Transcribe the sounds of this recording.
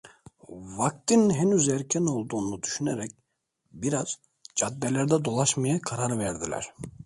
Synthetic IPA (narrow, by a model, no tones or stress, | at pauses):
vak̚t̪ʰinɦenyzæɾcʰæno̞lˠd̪uːnud̪yʃyneɾɛc̚ | biɾaz̥ | d͡ʒad̪ːɛlʲæɾd̪ɛd̪o̞lˠaʃmajakʰaɾaɾvæɾd̪ilʲæ̰ɾ̥